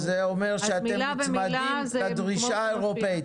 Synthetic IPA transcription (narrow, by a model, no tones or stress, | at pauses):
zeomeʁʃeat̪emmaldi | ad̪ʁiʃaeʁopei